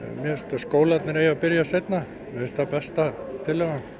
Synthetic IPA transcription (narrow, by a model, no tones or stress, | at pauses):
mjɛɛst̪ːaskoːwlat̪nɪɾeːjapɪɾjasejt̪na | mɛɛst̪apɛst̪at̪ʰɪlːɛɣan